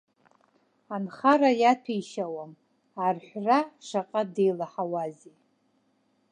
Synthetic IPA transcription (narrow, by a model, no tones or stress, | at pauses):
anχaɾajatʰijʃawam | arħʷraʂaqʼade̞jlaħawazi